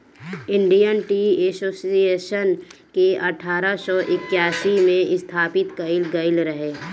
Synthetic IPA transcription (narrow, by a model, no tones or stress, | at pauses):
ɪ̃ɳɖijənʈiːeːsoːsijeːʃənkeɐʈʰaːɾəsɔːʔɪkjaːsimẽɪst̪ʰaːpɪt̪kəɪlɡəɪlɾəɦeː